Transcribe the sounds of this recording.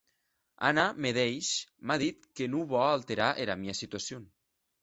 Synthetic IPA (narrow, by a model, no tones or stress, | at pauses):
a̰nameðejʃmaðit̪kenuβɔalˠt̪eɾaʔeɾamiasit̪uasjon